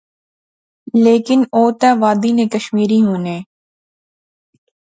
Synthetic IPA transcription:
leːkɪnoːt̪ɛ̃ːʋaːd̪iːnẽːkəʃmiːɾiːɦuːneː

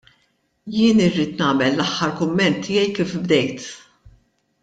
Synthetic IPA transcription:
jɪːnɪrːiːt̪nɐːmɛlːɐħːɐɾkʊmːɛnt̪ʰːɪjɛjkiːfbd̪ɛjt̪

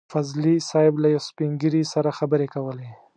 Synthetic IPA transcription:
fazlisɑjɪblajawspiŋɡəɾisaɾaxabəɾekawəle

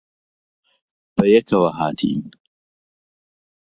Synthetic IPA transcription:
b̥ɐjɐkʰɐwɐɦaːt̪ʰḭːn

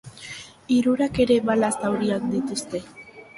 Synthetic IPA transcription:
iɾuɾake̞ɾe̞βalast̪awɾiak̚d̪it̪ust̪e̞

